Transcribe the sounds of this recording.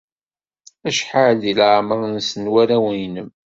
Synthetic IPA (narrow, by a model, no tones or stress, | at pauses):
æʃħaʕdilʕməʁnsənwæɾæwəjnəm